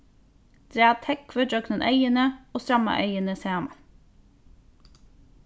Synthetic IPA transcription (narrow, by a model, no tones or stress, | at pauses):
d̪̥ɾeːɑt̪ʰɛkʋœɖœknənʔœʏənəoːst̪ɾɑmɑ̰ʔœʏənəseːɑmɑ